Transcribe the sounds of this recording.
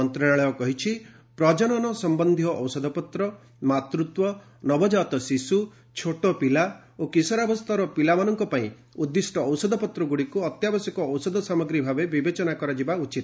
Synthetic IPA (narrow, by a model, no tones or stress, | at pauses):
ɔnt̪ɾaaɭɔɔkɔɦit͡ʃʰi | pɾɔd͡ʒɔɽ̃ɔnɔsɔmbɔnd̪ʱiɦɔʔɔwsɔd̪ʱɔpɔt̪ɾɔ | mat̪ɾut̪wɔ | nɔbɔd͡ʒat̪ɔsisu | t͡ʃʰoʈɔpila | okisɔɾabɔst̪ʰaɾɔpilamanɔŋkɔpaĩ | ud̪ːisʈɔɔwsɔd̪ʱɔpɔt̪ɾɔɡuɽikuɔt̪jabɔsjɔkɔɔwsɔd̪ɔsamɔɡɾibʱabebibet͡ʃɔnakɔɾad͡ʒibaut͡ʃit̪